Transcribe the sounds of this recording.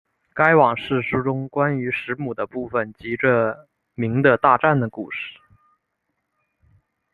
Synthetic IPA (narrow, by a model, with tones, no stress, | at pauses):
ka˥ɪwɑ˨˩ŋʂɻ̩˥˩ʂu˥ʈ͡ʂʊ˥ŋkwa˥ny˧˥ʂɻ̩˧˥mu˨˩d̪ə˦pu˥˩fə˨˩nt͡ɕi˧˥ʈ͡ʂə˥˩ | mi˧˥ŋd̪ə˧t̪a˥˧ʈ͡ʂa˥˩nd̪ə˩kṵ˥˧ʂɻ̩̥˥˩